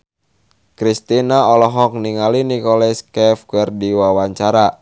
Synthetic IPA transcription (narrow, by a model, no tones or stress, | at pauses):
kɾist̪inaɔlɔɦɔk̚niŋalinikɔlɛskɛfkərdiwawaɲt͡ʃaɾa